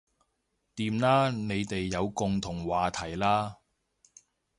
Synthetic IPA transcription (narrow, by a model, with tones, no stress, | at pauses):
t̪iː˧mlaː˥ne˨˧jt̪e˨jːɐ˨˧wkʊ˨ŋt̪ʰʊ˨˩ŋwaː˨t̪ʰɐ˨˩jlaː˥